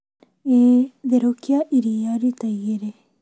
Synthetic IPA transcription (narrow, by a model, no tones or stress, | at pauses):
eðeɾokiaʔiɾijaɾit̪ɐeɾe